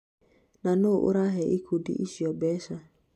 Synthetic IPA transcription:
nanoʔʊ̰ɾaɦɛʔikʰudḭʔiʃiɔbɛʃa

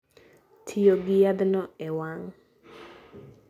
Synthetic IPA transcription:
tʰijoɡɪjad̪nɔɛwaŋ

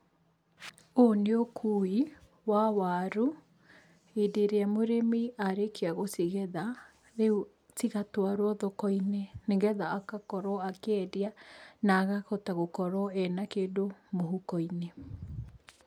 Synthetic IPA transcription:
oneokʰui | wawaɾu | edeɾeamoɾemiʔaɾekeaɣosiɣɛða | ɾeu | tiɣatwaɾwɔðɔkɔineneŋɡɛðaːkakɔɾɔakɛdianaɣaɣɔtaɣokɔɾɔɛnakeːdomoɦukɔine

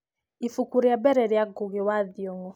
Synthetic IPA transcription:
ifukuɾjabɛɾɛɾɪaɡoɣewaðjɔŋɔ

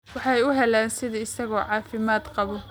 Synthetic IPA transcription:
wɑħɑjʊɦɛlaːnsɪðɐɪsɐɣɔːʕɑːfɪmaːd̪qɑβɔ

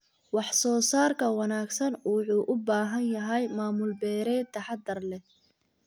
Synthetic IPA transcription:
wɑħsɔːsaːrkʰɐwɑnaːɡsɐnʊħuːʔʊbaːɦɐnjɐɦɛjmaːmʊlbɛːɾɛːt̪ʰːɐħɑd̪ɐrlɛ

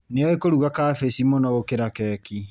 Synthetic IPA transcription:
neɔekoɾuɣakafesimɔnɔɣokeɾakɛːki

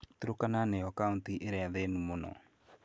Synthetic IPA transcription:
teɾokananejɔkauntiʔeɾɛaðenumonɔ̰

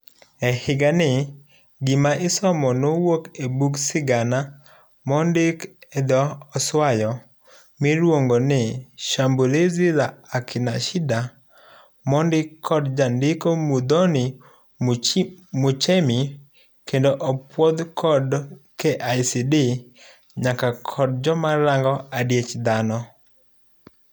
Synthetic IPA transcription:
ɛhɪɡanɪ | ɡɪmaʔɪsɔmɔnowokebuksɪɡana | mɔndɪkɛd̪ɔɔswajɔ | miɾwoŋɡonɪʃamboleziɾaakʰɪnaʃɪda | mɔndɪkʰːɔdd͡ʒandɪkomud̪ɔnɪ | mut͡ʃemi | kendoʔɔpwɔd̪kʰɔdkeʔajsidɪ | ɲakakʰɔd̚d͡ʒɔmaɾaŋɡɔadjet͡ʃd̪anɔ

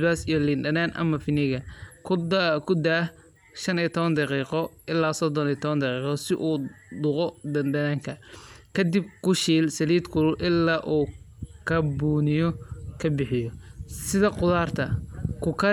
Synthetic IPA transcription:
baːsijɔliːnɖɐnaːnʔɐ̰mɐfɪnɪɣɐ | kʰʊd̪a | ʃɐnit̪ʰɔβɐnd̪ɑqiːqɔɪlːaːsɔd̪ɔniːt̪ʰɔβɐnd̪ɑqiːqɔsɪʔuːd̪ʊqɔd̪ɐndɐnaːŋkʰɐkʰɐd̪ib̚kʰʊʃiːlsɐliːd̪kʰʊlʊʔɪlːaːʔuːkʰɐbuːnɪjɔkʰɐbɪħɪjɔsɪðɐqʊðaːrt̪ʰɐkʰʊkʰɐ

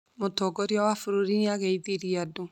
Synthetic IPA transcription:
motɔɡɔɾjɔwafuɾoɾineaɣeiðiɾiado

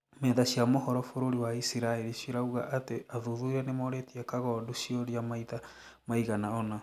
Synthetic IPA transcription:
mɛðaʃiamohɔɾɔfoɾoɾiwaisiɾaeɾiʃiɾauɣaʔateaðuðuiɾɛnemoɾetiakaɣɔduʃioɾiamaita | maiɣanaɔna

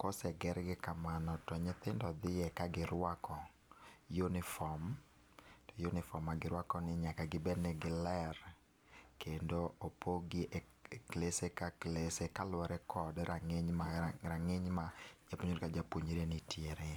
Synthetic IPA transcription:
kɔsɛɡɛɾɡɪkamanɔtɔɲɪt̪ɪndɔd̪ɪjɛkaɡɪɾwakɔ | junɪfɔm | tɔjunɪfɔmːaɡɪɾwakɔnɪɲakaɡɪbɛnɛɡɪlɛr | kendoopoɡɪʔe | klesekaklesekalwɛɾɛkɔdɾaŋɪɲmaɾaŋɪɲmad͡ʒapoɲoɾikad͡ʒapoɲoɾenɪtjeɾe

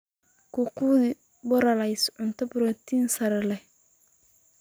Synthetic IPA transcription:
kʰʊkʰuːðɪ | bɔɾɐlɛjsʕʊnt̪ʰɐbʊɾɔt̪ʰiːnsɐɾɛlɛ

